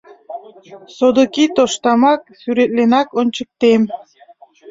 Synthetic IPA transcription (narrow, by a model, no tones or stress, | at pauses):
sod̪okit̪oʃt̪ɑmɑk̚syɾet̪̚lenɑkont͡ɕək̚t̪em